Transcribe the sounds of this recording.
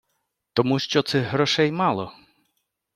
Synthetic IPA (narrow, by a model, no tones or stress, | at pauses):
t̪ɔmuʃt͡ʃɔt̪sɛɦɾɔʃɛjmɑlˠɔ